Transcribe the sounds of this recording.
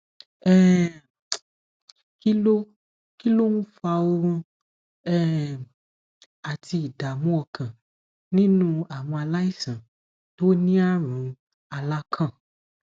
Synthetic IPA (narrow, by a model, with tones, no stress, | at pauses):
ɛ˦ | ki˦lo˦ | ki˦lo˦nũ˦fa˧wo˦ũ˦ | ɛ˦ | a˨t̪i˧i˨da˨mũ˦ɔ˧kʰã˨ | nĩ˦nũ˦a˨mɔ̃˧a˧la˦i˦˨sã˨ | to˦o˦nĩ˦a˦ɾ̃ũ˨ | a˨la˦kʰã˦˨